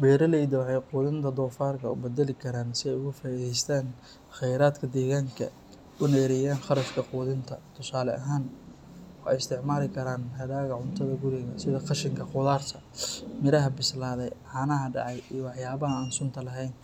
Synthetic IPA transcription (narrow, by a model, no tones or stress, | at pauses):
bɛːɾɐlɛjd̪ɐwɑħɑjquːðɪnt̪ʰɐd̪ɔːfaːrkʰɐʊ̰bɛd̪ɛlɪkʰɐɾaːnsɪɛjʊɣʊfɐːiðɛjst̪ʰaːn | xɛjɾaːd̪kʰɐd̪ɛːɣaːŋkʰɐ̰ | ʊnɛːɾɛjaːnxɑɾɐfkʰɐquːðɪnt̪ʰɐ̰t̪ʰʊsaːlɛʔɐɦaːn | ɔːɛ̰jɪst̪ʰɪʕmaːlɪkʰɐɾaːnhɐðaːɣɐʕʊnt̪ʰɐðɐɡʊɾɪɣɐsɪðɐqɑʃɪŋkʰɐqʊðaːrt̪ʰɐ | mɪɾɐɦɐbɪslaːðɛjʕɑːnɐɦɐɖɑ̰ʕɑjijɔwɑħjaːβɐɦɐaːnsʊnt̪ʰɐlɐɦɛjn